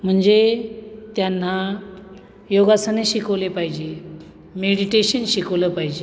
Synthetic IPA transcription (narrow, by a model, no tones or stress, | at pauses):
m̤əɳd͡zet̪janːa | joɡasəneɕikəʋlepaɦid͡ʑe | meɽiʈeɕənɕikəʋləpaɦid͡ʑe